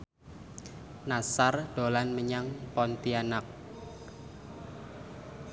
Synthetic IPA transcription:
nasard̪̥o̤lanməɲaŋpɔnt̪ianak̚

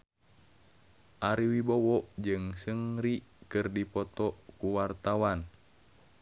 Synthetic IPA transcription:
ʔaɾiwibɔwɔʔd͡ʒɨŋsəŋɾikɨrdipɔt̪ɔʔkuwart̪awan

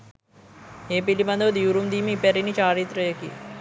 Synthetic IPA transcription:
eːpiliband̪əʋəd̪iʋuɾumd̪iːmiːpɛɾinit͡ʃaːɾit̪ɾəjəkḭ

